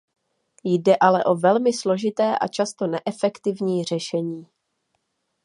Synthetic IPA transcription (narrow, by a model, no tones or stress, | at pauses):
jdɛʔalɛʔo̞vɛlmɪslo̞ʒɪt̪ɛːʔa̰t͡ʃast̪o̞nɛʔɛfɛkt̪ɪvɲiːr̝ɛʃɛɲiː